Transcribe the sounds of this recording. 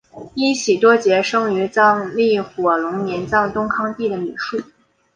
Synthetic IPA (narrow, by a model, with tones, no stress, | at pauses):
i˥ɕi˨˩t̪wɔ˥t͡ɕjɛ˧˥ʂɤ˥ŋy˧˥t͡sɑ˥˧ŋli˥˩xwɔ˨˩lʊ˧˥ŋmjɛ˧˥nt͡sɑ˥˩ŋt̪ʊ˥ŋkʰɑ˥ŋt̪i˥˩d̪ə˩my̰˨˩ʂu˥˩